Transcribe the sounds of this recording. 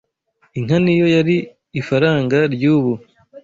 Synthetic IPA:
iŋ̥hanijo̞jaɾiː | faɾaːŋɡaɾɟuːβu

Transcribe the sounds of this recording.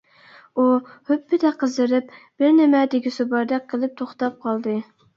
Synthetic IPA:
uhøpːɪd̪ɛqʰəzɨɾɪpb̥ɪɾnɪmɛd̪ɪkʲisubɑɾd̪ɛk̚ʲqʰːəlˠɨp̚t̪ʰoχt̪ɑp̚qʰɑlˠd̪ɨ

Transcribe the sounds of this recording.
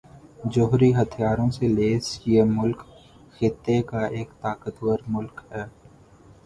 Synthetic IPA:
d͡ʒʊɦɾiɦɐt̪ʰijaːɾõseleːsiemʊlk | xɪt̪ːekaʔeːkt̪aːkət̪wəɾmʊlkɦɛː

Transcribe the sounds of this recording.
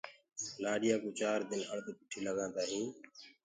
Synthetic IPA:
naːɗɪjaːkũːt͡ʃaːɾd̪ɪnəɳt̪ːpʊʈʰiːləɠãːnd̪aːɦĩː

